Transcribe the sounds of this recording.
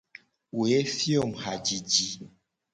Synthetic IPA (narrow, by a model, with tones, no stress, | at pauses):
u˨e˦fjo˦˨m˨ha˨d͡ʒi˨d͡ʒi˨